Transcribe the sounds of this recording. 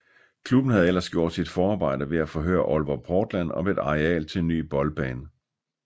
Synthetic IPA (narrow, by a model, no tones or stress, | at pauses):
kʰlub̥n̩hæð̞̩ˠelɐsɡ̥jo̝̰ːd̥sid̥fɒːɑ̈ːb̥ɑ̈ɪ̰d̥ɐʋe̝æfɒ̽ɦø̰ːɐʔɒlʋɒpʰɒːd̥læn̰ɒ̽ʋee̝d̥ɑ̈ʁɛɛ̰ːlt͡sʰe̝enːy̰ːb̥ɒ̽lb̥ɛːn